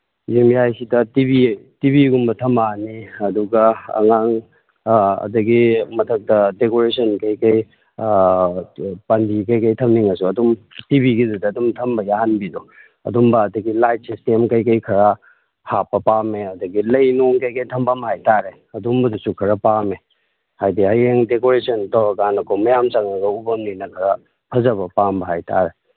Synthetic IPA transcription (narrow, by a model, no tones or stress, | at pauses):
zimjajsidɐtibitibiɡumbɐtʰɐmbaniɐduɡɐɐ̰ŋaŋ | ɐ̰dɐɡimɐtʰɐk̚tɐdekoɾesɐnkɐjkɐj | pɐndikɐjkɐjtʰɐmniŋɐsuɐdumtibiɡidudɐːdumtʰɐmbɐjaɦanbido | ɐ̰dumbɐːdɐɡilajt̚sistemkɐjkɐjkʰɐɾa | hapːɐpameɐdɐɡilɐjnoŋkɐjkɐjtʰɐmbɐmɦajtaɾe | ɐdumbɐdusukʰɐɾɐpame | hajdiɐjeŋdekoɾesɐntowɾɐkanɐkomɐjamt͡ʃaŋɐɡɐubɐmninɐkʰɐɾa | pʰɐzɐβɐpambɐɦajta̰ɾe